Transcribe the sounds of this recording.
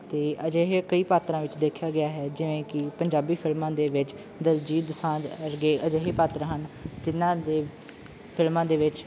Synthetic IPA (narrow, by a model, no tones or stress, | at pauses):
t̪eːʔəd͡ʒeːɦeːkəiːpaːt̪ɾãːʋɪt͡ʃd̪eːkʰjaːɡɪaːɦɛːd͡ʒɪʋẽːkɪpəɲd͡ʒaːbiːpʰɪlmãːd̪eːʋɪt͡ʃ | d̪əld͡ʒiːd̪əsãːd͡ʒɾɡeːʔəd͡ʒeːɦeːpaːt̪ɾãːɦənd͡ʒ̪ɪnːãːd̪eː | pʰɪlmãːd̪eːʋɪt͡ʃ